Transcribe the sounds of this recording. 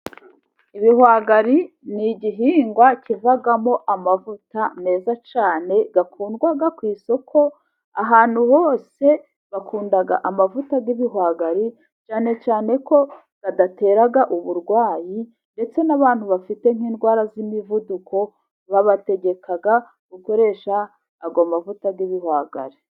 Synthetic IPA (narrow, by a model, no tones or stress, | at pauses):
iβiɦwaːɡaɾi | niɟiɦiːŋɡwacivaɡamo̞ʔamavutane̞ːzat͡ʃaːne̞ɡakʰuːndɡwaɡakwiːso̞kʰo̞ | aɦaːn̥huho̞ːse̞ | βakʰuːndaɡa̰ʔamavutaɡiβiɦwaɡaɾi | t͡ʃaːnet͡ʃaːne̞ko̞ | ɡ̥adate̞ːɾaɡaʔuβuɾɡwaːji | nde̞t͡se̞naβaːn̥huβafite̞ŋ̥iːnɡwaːɾazimivudukʰo̞ | βaβate̞ɡe̞kʰaɡa | ɡuko̞ɾe̞ːʃaː | ɡamavutaɡiβihwaːɡa̰ɾi